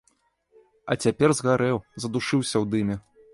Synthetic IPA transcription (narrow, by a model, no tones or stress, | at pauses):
ɐ̰t͡sʲapʲɛrzɣaɾɛwzɐd̪uʂɨwsʲɐwd̪ɨmʲɛ